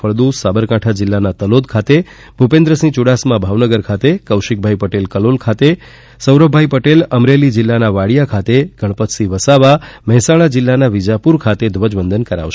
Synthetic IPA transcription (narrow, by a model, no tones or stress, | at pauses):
əɭd̪ũsabəɾkaʈʰad͡ʒɪlːanat̪əlod̪̚kʰat̪e | bʱupẽnd̪ɾəsĩt͡ʃuɽasmãbʱaʋnəɡəɾkʰat̪ekəwʃik̚bʱaipəʈelkəlolkʰat̪e | səwɾəbʱaipəʈeləmɾelid͡ʒɪlːanaʋaɽijakʰat̪eɡ̥ʱəɽ̃pət̪ʰsiʋəsaʋaməɦɛsaɭ̃ad͡ʒɪlːanaʋid͡ʒapuɾkʰat̪ed̪ʱʋəd͡ʒbənd̪ənkəɾa̰ʋʃe